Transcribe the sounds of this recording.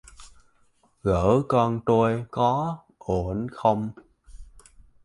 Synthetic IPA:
ɣəː˧˩kɔ˧nt̪o˧jkɔ˨˦ | ʔo˧˩ənxə˧wŋ͡m

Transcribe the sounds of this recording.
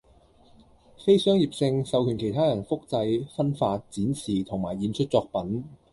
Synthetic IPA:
fe˥jsœː˥ŋjiː˨p̚sɪ˧ŋsɐ˨˧wkʰyː˨˩nkʰe˨˩jt̪ʰaː˥jɐ˨˩nfʊ˥k̚t͡sɐ˧jfɐ˥nfaː˧t̚t͡siː˨˥nsiː˨˩t̪ʰʊ˨˩ŋmaː˨˩jiː˨˧nt͡ʃʰɵ˥t̚t͡sɔː˧k̚pɐ˨˥n

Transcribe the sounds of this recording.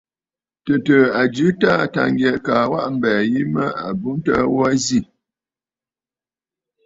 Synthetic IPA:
tə˨tə˨a˨d͡ʒʉ˦ta˦˨ta̰˨ŋ˦ɡjɛ˨ʔkaː˨wa˦ʔm̩˦˨bɛː˨ji˦mə˦a̰˨bu˦n˦tə̰˦wa˦zi˦˨

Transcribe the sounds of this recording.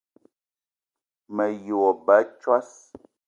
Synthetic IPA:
mə˨jo˨ɔ˨ba˨˦t͡ʃwa˦s

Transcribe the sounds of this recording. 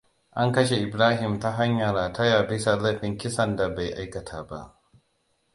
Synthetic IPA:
ʔa˦ŋkɐ˦ʃe˨ʔɪ˨bɾaː˦ɦɪ˨mta˦ɦa˦ɲjɐ˨ɾaː˨tʰɐ˦jaː˨bɪ˦sa˨lɐ˦ɸɪ˨ŋkʲɪ˦sɐ˦nda˨ba˨jʔa˦jkɐ˨tʰaː˦ba̰˦ʔ

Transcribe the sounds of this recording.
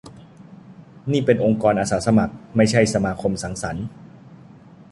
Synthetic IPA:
niː˥˩pe˧nʔo˧ŋkɔː˧nʔaː˧saː˩˦sa˧ma˨˩k̚ma˥˩jt͡ɕʰa˥˩jsa˧maː˧kʰo˧msa˩˦ŋsa˩˦n

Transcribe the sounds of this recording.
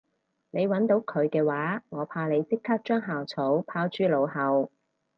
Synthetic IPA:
ne˨˧jwɐ˨˥nt̪o˨˥wkʰɵ˨˧ɥkɛː˧waː˨˥ŋɔː˨˧pʰaː˧le˨˧jt͡sɪ˥kʰːaː˥k̚t͡ʃœː˥ŋɦaː˨wt͡sʰo˨˥wpʰaː˧wt͡ʃyː˥lo˨˧whɐ˨˧w

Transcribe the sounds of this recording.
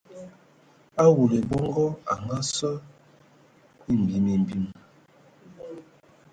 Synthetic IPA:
a˦wu˨le˨bɔ˦ŋɡɔ˦a̰˨ŋɡa˦sɔ˦ | i˦˨m̩˨bi˨mi˨m˨bi˦m

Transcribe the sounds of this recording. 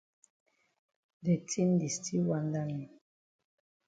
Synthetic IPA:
dɛ˨tʰi˦n˦di˨stʰi˦wa˦nda˦ni˨

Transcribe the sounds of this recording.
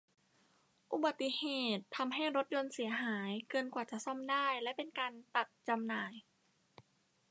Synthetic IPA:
ʔu˨˩ba˨˩t̪ːi˧˨heː˨˩t̪ʰːa˧mɦa˥˩jɾo˦˥t̪̚jo˧nsi˨˩˦ɐɦaː˩˦jkɤː˧nkwaː˨˩t͡ɕa˨˩ʔsɔ˥˩mdaː˥˩jlɛ˦˥pe˧nkaː˧nt̪a˨˩k̚t͡ɕa˧mnaː˨˩j

